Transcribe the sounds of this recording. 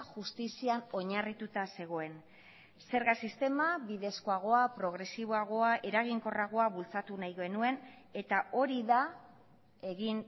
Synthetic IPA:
ʝust̪isiano̞ɲarit̪ut̪ase̞ɣ̞o̞e̞n | se̞ɾɣasist̪e̞maβiðe̞sko̞aɣ̞o̞apɾo̞ɣ̞ɾe̞siβ̞oaɣ̞o̞aʔe̞ɾaɣ̞iŋko̞raɣ̞o̞aβult͡sat̪unajɣe̞nue̞n | e̞t̪ao̞ɾiða | e̞ɣin

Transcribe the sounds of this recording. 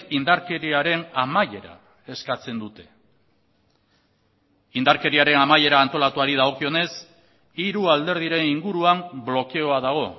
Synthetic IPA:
ind̪aɾke̞ɾiaɾe̞namaje̞ɾa̰ | e̞skat͡se̞nd̪ut̪e̞̥ | ind̪aɾke̞ɾiaɾe̞namaje̞ɾaːnt̪o̞lat̪uaɾið̞aɣo̞kio̞ne̞s | iɾuald̪e̞ɾð̞iɾe̞niŋɡuɾuamblo̞ke̞o̞aðaɣ̞o̞

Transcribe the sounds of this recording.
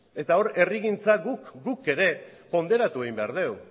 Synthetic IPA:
e̞t̪ao̞ɾe̞riɣint͡saɡukɡuke̞ɾe̞po̞nd̪e̞ɾat̪ue̞ɣimbeaɾðe̞w

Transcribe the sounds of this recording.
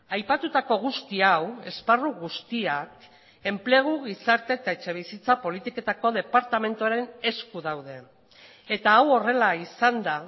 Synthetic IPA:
ajpat̪ut̪ako̞ɣ̞ust̪iawe̞sparuɣust̪iak | e̞mple̞ɣ̞uɣisaɾt̪e̞ːt̪aet͡ʃe̞β̞isit͡sapo̞lit̪ike̞t̪ako̞ð̞e̞paɾt̪ame̞nt̪uaɾe̞ne̞skuðawðe̞ | et̪aːwo̞re̞laisand̪a

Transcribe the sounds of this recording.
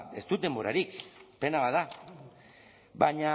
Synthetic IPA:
e̞st̪ut̪e̞mbo̞ɾa̰ɾikpe̞naβaða | βaɲa

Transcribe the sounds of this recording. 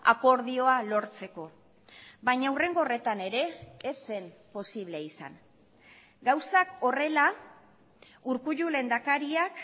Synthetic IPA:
a̰ko̞ɾðio̞alo̞ɾt͡se̞ko̞ | bajɲaure̞ŋɡo̞ːre̞t̪ane̞ɾe̞ːse̞mpo̞siβ̞le̞isa̰ŋ | ɡawsako̞re̞la | uɾkuʎule̞nd̪akaɾiak

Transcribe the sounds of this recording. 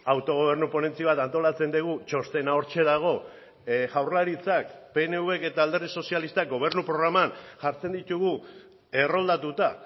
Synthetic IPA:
awt̪o̞ɣ̞o̞β̞e̞ɾnupo̞ne̞nt͡siβ̞at̪ant̪o̞lat͡se̞nd̪eɣ̞ut͡ʃo̞st̪e̞nao̞ɾt͡ʃe̞ðaɣ̞o̞ | ʝawrlaɾit͡sakpe̞ne̞uβe̞ke̞t̪aːld̪eɾð̞iso̞sialist̪ak̚ɡo̞β̞e̞ɾnupɾo̞ɣ̞ɾamanʝaɾt͡se̞nd̪it̪uɣ̞u | e̞ro̞ld̪at̪ut̪a

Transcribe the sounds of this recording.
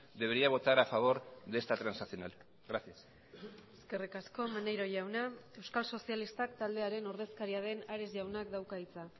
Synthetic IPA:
d̪e̞βeɾiaβ̞o̞t̪aɾafaβ̞o̞ɾðest̪at̪ɾansasio̞na̰l | ɣɾasias | eskerikasko̞manejɾo̞ʝawnae̞wskalso̞sialist̪ak̚t̪ald̪e̞aɾe̞no̞ɾð̞e̞skaɾiaðe̞naɾe̞zʝawnak̚d̪awkait͡sa

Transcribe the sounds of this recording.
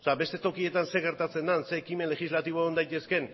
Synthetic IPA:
seabe̞st̪e̞t̪o̞kie̞t̪anseɣe̞ɾt̪at͡se̞nd̪anse̞ːkime̞nle̞xizlat̪iβ̞o̞end̪ajt̪e̞ske̞n

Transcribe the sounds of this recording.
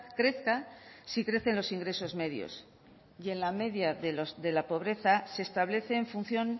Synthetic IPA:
kɾe̞θkasikɾe̞θe̞nlo̞siŋɡɾe̞so̞zme̞ðjo̰s | je̞nlame̞ðjaðoðe̞lapo̞β̞ɾe̞θase̞ːst̪aβle̞θe̞ːɱfun̟θjo̞n

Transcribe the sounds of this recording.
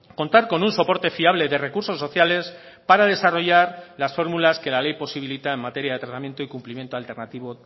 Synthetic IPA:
ko̞nt̪aɾko̞nunso̞po̞ɾt̪e̞fiaβ̞le̞ðe̞re̞kuɾso̞sːo̞θjale̞s | paɾaðe̞saro̞ʝaɾlasfo̞ɾmulaske̞lale̞jpo̞siβilit̪aenmat̪e̞ɾjaðe̞t̪ɾat̪amje̞nt̪o̞ikumplimje̞nt̪oalt̪e̞ɾnat̪iβo̞

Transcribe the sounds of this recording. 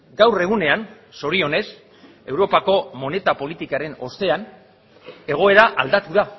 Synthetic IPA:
ɡawre̞ɣ̞une̞an | so̞ɾio̞ne̞s | e̞wɾo̞pako̞mo̞ne̞t̪apo̞lit̪ikaɾe̞no̞st̪e̞an | e̞ɣ̞o̞e̞ɾaʔald̪at̪uða

